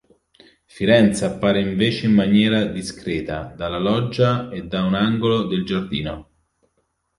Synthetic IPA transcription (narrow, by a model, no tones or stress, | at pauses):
fiɾɛnt̪sapːaːɾeiɱveːt͡ʃeimːanjɛːɾad̪iskɾeːt̪ad̪alalɔd͡ʒːaed̪ːaunaŋɡolod̪eld͡ʒard̪iːno